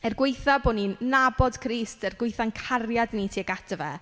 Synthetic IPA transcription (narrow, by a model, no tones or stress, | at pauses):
ɛrɡwejθaboːninabɔd̥kʰriːstɛrɡwejθankʰarjadnitʰiːaɡadɔvɛ